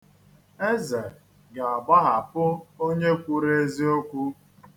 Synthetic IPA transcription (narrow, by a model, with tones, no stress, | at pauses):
e˦ze˨ | ɡa˨a˨ba˦ɦa˨pʊ˦o˦ɲe˦kʷu˦ɾe˦zi˦o˦kʷu˦